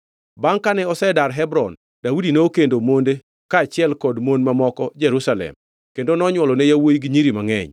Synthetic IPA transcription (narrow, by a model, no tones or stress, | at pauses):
baŋkanɛɔsɛdaɾɦɛbɾɔn | daudinookendomonde | kaːt͡ʃɪɛlkɔdmonmamɔkɔd͡ʒɛɾusalɛ̰m | kendonɔɲwɔlɔnejawojiɡiɲiɾimaŋɛ̰ɲ